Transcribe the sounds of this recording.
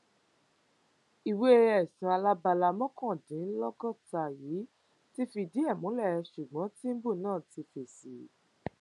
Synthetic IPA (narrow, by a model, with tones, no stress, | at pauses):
i˨we˦e˧ɾɛ˨sũ˧˦a˧la˦ba˧la˧mɔ̃˦kɔ̃˦˨dĩ˨˦n˦lɔ˦kɔ˦˨ta˨ji˨˦ | ti˦fi˧di˨˦ɛ˦˨mũ˨˦lɛ˦˨˧ʃu˨ɡ͡bɔ̃˨˦ti˦n̩˦bo˦˨nãː˦˨ti˧fe˨si˨˦